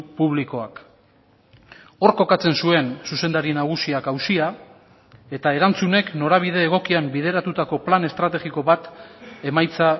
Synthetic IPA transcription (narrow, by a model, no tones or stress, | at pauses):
puβ̞liko̞ak | o̞ɾko̞kat͡se̞nsue̞nsuse̞nd̪aɾinaɣ̞usiakawsia | e̞t̪ae̞ɾant͡sune̞kno̞ɾaβ̞iðe̞ːɣ̞o̞kiambið̞e̞ɾat̪ut̪ako̞plane̞st̪ɾat̪e̞ɣiko̞βat̪e̞majt͡sa